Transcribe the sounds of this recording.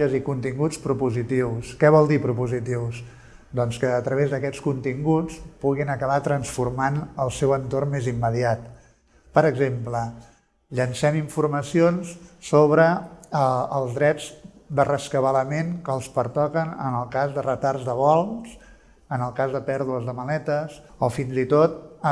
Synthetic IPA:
əzikunt̪iŋɡut͡spɾupuzit̪iwskɛβɔlˠd̪ipɾupuzit̪iws | d̪ɔnskəːt̪ɾəβ̞ezðəkɛt͡sskunt̪iŋɡut͡spuɣinəkəβat̪ɾənsfurmanəlˠsɛwənt̪ormmːezimːəðiat̪ | pəɾəɡzemplə | ʎənsɛmiɱfurməsionssoβɾəː | lˠzðɾɛd͡zd̪ərəskəβələmenkəːlˠspəɾt̪ɔkənə̰nəlˠkazðərət̪arzðəβɔlˠs | ənəlˠkazðəpɛɾðuəzðəməlɛt̪əsɔfinzit̪ot̪̚

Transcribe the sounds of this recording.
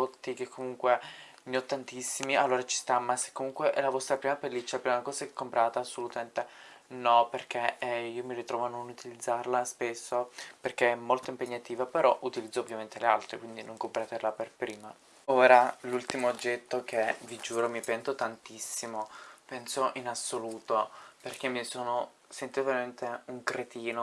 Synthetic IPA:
ot̪ːikekʰːomuŋkwe | miɔt̪ːant̪isːimialːoːɾat͡ʃi̥st̪amːase̥kːomuŋkweʔɛlavɔst̪ɾapɾiːmapelːit͡ʃːalapɾiːmakɔːzakekːompɾaːt̪aasːolut̪ament̪enɔperk̟eiomirit̪ɾɔːvoanːonut̪ilid̪zːarlaspesːoperkeɛmːolt̪oimpeɲːat̪iːvapeɾɔʔut̪ilid̪zːoovːjament̪elealt̪ɾekwind̪inoŋkompɾaːt̪elaperpɾiːma | oːɾalult̪imoːd͡ʒːɛt̪ːok̟ʰevid͡ʒuːɾomipɛnt̪ot̪ant̪isːimopɛnsoʔinasːoluːt̪operkemːisoːno | sent̪ːiːt̪oveɾament̪euŋkɾet̪iːno

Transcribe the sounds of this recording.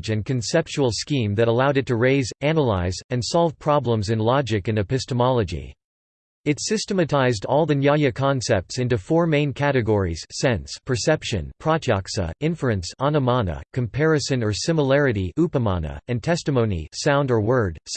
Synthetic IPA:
d͡ʒɨ̃nkʰɨ̃nsɛp̚t͡ʃul̩ˠskĩmðɨɾəlaʊɾɨtʰɨɹeɪzænəlaɪzɨ̃nsɑlˠv̥pʰɹ̥ɑblə̃mzɨ̃nlɑd͡ʒɨkɨ̃nɨpɪstəmɑlˠəd͡ʒḭ | ɨtsɪstəmɨtʰaɪzdɔlˠðɨnjɑɨkʰɑ̃nsɛp̚tsɪ̃ntufɔɹmẽɪ̃nkʰæɾɨɡɔɹḭz̥sɛ̃nspʰə˞sɛpʃɨ̰̃npʰɹ̥ɑd͡ʒʰɑksə̰ɪ̃ɱfɹuɨ̃nsɑnəmɑnə̰kʰɨ̃mpʰɛɹɨsɨ̃nə˞sɪ̃məlɛɹɨɾiʔupəmɑ̰nə̰ɨ̃ntʰɛstɨmõʊ̃nḭsãʊ̃ndə˞wɜ˞d̥s

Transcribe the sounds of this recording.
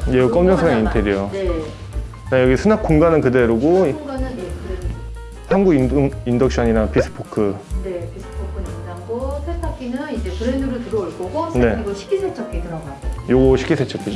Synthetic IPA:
jejk͈ʌmd͡ʑʌŋsʰaeintʰedjujone | najʌɡisʰunak͈̚oŋɡanɯnkɯde̞ɾoɡoɡanɯnekɯɾenuu | hanɡuɡinɯŋindʌk̚ɕ͈ʰʌɲinapis͈ʰɯ̥pʰokʰɯne̞pisʰɯ̥pʰokʰɯniʌnaɡosʰetʰak͈ʰinɯnid͡ʑe̞pɯɾenduɾɯtɯɾʌuɭk͈oɡosʰne̞iɡɯɕʰi̥k͈isʰet͡ɕʰʌp̚k͈etɯɾʌɡaasʰeojoɡʌɕʰi̥k͈ʰːisʰet͡ɕʰʌpk͈ʰi

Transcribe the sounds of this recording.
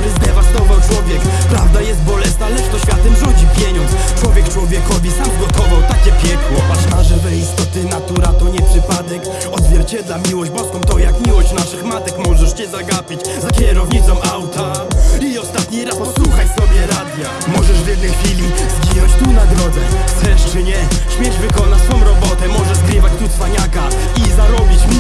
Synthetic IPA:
ɾɛzd̪ʲɛvat̪ɔvawt͡ʂwɔvʲjɛk | pɾavd̪ajɛst̪̚bɔlɛsnalɛʂt̪ɔɕfʲat̪ɛmʐud͡ʑipʲjɛɲɔntst͡ʂwɔvʲjɛk̚t͡ʂwɔvʲjɛkɔvʲisamɡɔt̪ɔvawt̪akt͡ɕɛpʲjɛkwɔpamaʐɛvɛist̪ɔt̪ɘnat̪uɾat̪ɔɲɛpʂɘpad̪ɛk | ɔd̪zvʲjɛɾt͡ɕɛd̪lamʲiwɔʑd͡ʑbɔskɔ̃w̃t̪ɔjakmʲiwɔɕt͡ɕnaʂɘxmat̪ɛkmɔʐɛʂt͡ɕɛzaɡapʲit͡ɕ | zapʲɛɾɔvɲisɔmawt̪aiɔst̪at̪ɲiɾaspɔswuxajsɔbʲjɛɾad̪ʲja | mɔʐɛʂvjɛd̪nɛjxfʲilʲizɡijɔt͡ɕt̪unad̪ɾɔɡɛxt̪sɛʂt͡ʂɘɲɛɕmʲjɛʐvɘkɔnat͡ɕsfɔ̃w̃ɾɔbɔt̪ɛmɔʐɛzɡɾɘvat͡ɕt̪uspaɲaka | izaɾɔbʲit͡ɕ

